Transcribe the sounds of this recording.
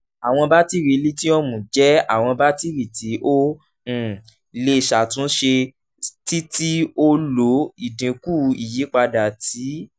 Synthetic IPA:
a˨w̃ɔ̃˧ba˦ti˦ɾe˨˧˦li˦ti˦ɔ˦mũ˨d͡ʒɛ˨˦a̰˦˨w̃ɔ̃˧ba˦ti˦ɾi˨ti˨˦ʔõ˦˨ | le˧i˨ʃa˨tũ˨˦ʃe˧ | ti˦ti˦o˦lo˨˦i˦˨dĩ˨ku˦˨i˨ji˨˦k͡pa˧da˨ti˨˦

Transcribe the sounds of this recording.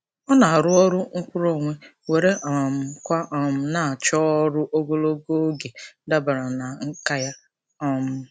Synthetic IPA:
ɔ˦na˨a˨ɾʊ˦ɔ˦ɾʊ˦ŋ̩˦kʷu˦ɾo˨ŋʷe˦ | we˨ɾe˦ʔɔ˨m̩˨kʷa˦ʔɔ˨m̩˨na˨t͡ʃɔ˦ɾʊ˦ʔo˦ɡo˦lo˦ɡo˦ɡe˨da˦ba˨ɾa˨na˨ŋ̩˦ka˦ja˦ | ɔ˦m̩˦

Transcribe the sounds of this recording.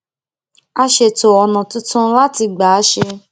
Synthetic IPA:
a˧ʃe˧to˨ɔ˨nã˨tũ˦tã˦la˦ti˧ɡ͡ba˨˦ʃe˧

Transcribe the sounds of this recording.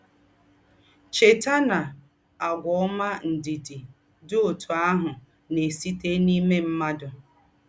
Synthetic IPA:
t͡ʃe˨ta˦na˨ | a˨ɡʷɔ˨˦ma˦n̩˨di˨dɪ˨ | dʊ˦o˨tu˨a˦ɦʊ˨ | ne˨si˦te˦ni˦me˦m̩˦ma˦dʊ˨

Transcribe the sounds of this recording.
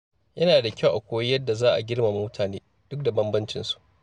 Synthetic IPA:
jɐ˦naː˨da˨kʲɐ˦˨wʔa˨kʷoː˦wɐ˦jɐ˦dːa˨zaː˦ʔa̰˨ɡʲɪ˦rma˨mu˦tʰaː˨neː˦ | d̥ʊ˦k̚da˨bɐ˦mbɐ˦nt͡ʃɪ˨nsu̥˨ʔ

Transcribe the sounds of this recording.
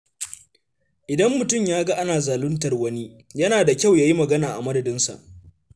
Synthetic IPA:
ʔɪ˨dɐ˦mːʊ˨tʊ˦mjaː˦ɡa˦ʔa˦naː˨zaː˨lʊ˦ntɐ˨rwɐ˦ni˦ | jɐ˦naː˨da˨kʲa˦˨wjaː˦ji˦mɐ˨ɡɐ˦naː˨ʔa˨mɐ˦dɐ˨dɪ˦nsa̰˨ʔ

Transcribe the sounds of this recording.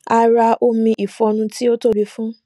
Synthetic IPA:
a˧ɾa˧ʔo˦mĩ˧ʔi˨fɔ̃˧nũ˧ti˦o˦to˦˨ɾi˧fũ˦

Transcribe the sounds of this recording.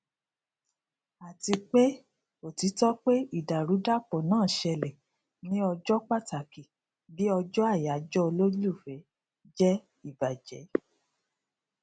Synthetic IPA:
a˨ti˧k͡pe˦ | o˨ti˨˦tɔ˦k͡pe˦i˦˨da˨ɾu˨˦da˦k͡pɔ˨nãː˦˨ʃɛ˧lɛ˨ | nĩ˦ɔ˧d͡ʒɔ˦k͡pa˦˨ta˨ki˨ | bi˨˦ɔ˧d͡ʒɔ˦a˦˨ja˨˦d͡ʒɔ˦o˧lo˦u˦˨fɛ˨˦ | d͡ʒɛ˦ | i˦˨ba˨d͡ʒɛ̰˨˦

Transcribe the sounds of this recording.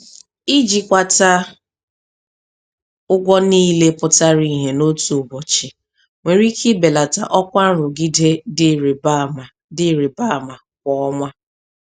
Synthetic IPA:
i˦d͡ʒi˨kʷa˨ta˦ | ʊ˦ɡʷɔ˦niː˦le˦pʊ˨ta˦ɾi˦ɦe˨no˦tu˨ʊ˨bɔ˨t͡ʃɪ˨ | ŋʷe˨ɾi˦kʰɪ˦be˨la˨ta̰˨ʔɔ˦kʷa˦n̩˦ɾʊ˨ɡi˦de˦dba˦m˨ | dɪ˦˨ɾi˨ba˦˨ma˨ | k̚ʷɔ˨ɔ˦ŋʷa˦

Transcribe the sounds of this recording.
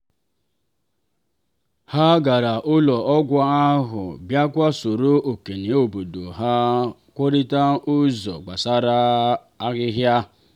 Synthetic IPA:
ha˦ɡa˨ɾa˨ʔʊ˦lɔ˨ɔ˦ɡʷa˦a˦ɦʊ̰˨bja˦kʷa˦so˨ɾo˦ʔo˨ke˨ni˨o˨bo˨do˨ɦa˦ | kʷo˦ɾi˦ta˦ʊ˦zɔ̰˨ɡ͡ba˨sa˦ɾa˦ | a˦ɣɪ˦ɦja˦

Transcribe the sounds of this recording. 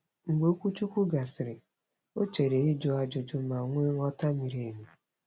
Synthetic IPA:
ŋ̩˨ɡ͡bo˨˦o˦kʷu˦t͡ʃu˦kʷu˦ɡa˨sɪ˨ɾɪ˨ | o˦t͡ʃe˨ɾe˨i˦d͡ʒʊ˦a˦d͡ʒʊ˨d͡ʒʊ˦ma˨ŋʷe˦ŋ̩˦ɔ˦ta˦mi˨ɾe˨ɲe˨

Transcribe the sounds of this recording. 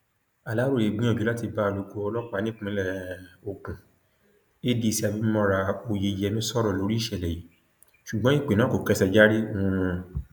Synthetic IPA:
a˨la˨˦ɾo˦˨e˨ɡ͡bĩ˦ɔ̃˦˨d͡ʒu˨˦la˦ti˧ba˦˧lu˨˧˨ko˧˦ɔ˧lɔ˦k͡pa˧nĩ˦k͡pũ˧˦lɛ˦˨o˨kũ˨ | e˦di˧˨si˧˦a˧bi˧˦mɔ̃˦ɾa˧o˧je˧jɛ˧mĩ˦sɔ˦ɾɔ˦˨lo˨˦ɾi˦˨ʃɛ˨lɛ˨ji˨˦ | ʃu˨ɡ͡bɔ̃˦i˦˨k͡pe˨nã˨˦ko˨kɛ˨˦sɛ˧d͡ʒa˦ɾi˦ũ˨˧˨

